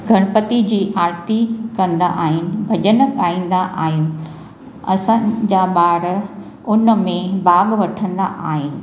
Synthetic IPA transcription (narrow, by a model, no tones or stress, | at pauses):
ɡʱɐɽ̃pət̪id͡ʑiːʔaːɾt̪ikɐ̃nd̪a̰ʔaːɦɪnɪ̆bʱɐʄənə̆kaːĩːn̆d̪aʔa̰ːɦɪnɪ̆ | ɐ̰sãd͡ʑaːɓaːɾ | ʊnəmẽbaːɠʋɐʈʰə̃nd̪a̰ʔa̰ːɦɪnɪ̆